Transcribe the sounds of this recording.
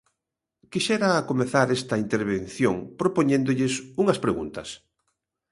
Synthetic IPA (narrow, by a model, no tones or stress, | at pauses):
kiʃɛɾaːkomeθaɾɛst̪ɐint̪eɾβen̟θjoŋpɾopoɲẽnd̪ʊʎɪsuŋɐspɾeɣṵnt̪ɐs